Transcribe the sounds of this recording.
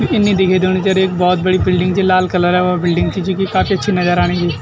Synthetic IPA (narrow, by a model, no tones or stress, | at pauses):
ɪnːid̪ɪkʰid̪oːñit͡ʃɐɾeːk̚bɔːt̪̚bɐɽibɪlɖɪ̃ŋɡt͡ʃʰilaːlkɐləɾɛʋɐbɪlɖɪ̃ŋɡt͡ʃʰit͡ʃũːkikaːfiɐtːʃʰinɐzəɾaːñid͡ʒiː